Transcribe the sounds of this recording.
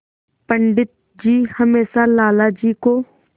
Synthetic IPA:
pəɳɖɪt̪̚ | d͡ʒiːhəmeːsalaːlad͡ʒiːkoː

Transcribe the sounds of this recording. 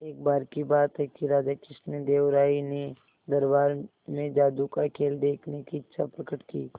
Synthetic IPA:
eːk̚baːɾkibaːt̪ɦɛkiɾaːd͡ʒakɪʃned̪eːʋɾaːine | d̪ɐɾbaːɾ | mẽd͡ʒaːd̪ukakʰeːld̪eːkʰnekiɪtːʃʰapɾəkəʈkiː

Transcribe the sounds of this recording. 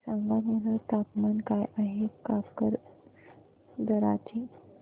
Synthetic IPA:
saŋɡamələt̪apmankajʔaɦekapkəɾ | d̪əɾa̰t͡ɕi

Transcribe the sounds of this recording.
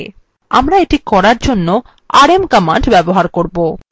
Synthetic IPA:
amɾaeʈikɔɾaɾd͡ʑonːo | aɾemkamaɳɖbɛboɦaɾkoɾbo

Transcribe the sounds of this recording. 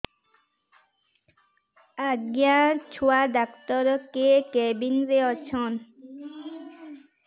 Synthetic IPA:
aɡjat͡ɕʰuadakt̪ɔɾkekɛbinɾeɔt͡ɕʰɔn

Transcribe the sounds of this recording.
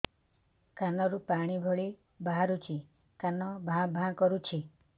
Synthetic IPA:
kanɔɾupaɽ̃ibʱɔɭi | baɦaɾut͡ʃʰi | kanɔbʱãbʱãkɔɾut͡ʃʰi

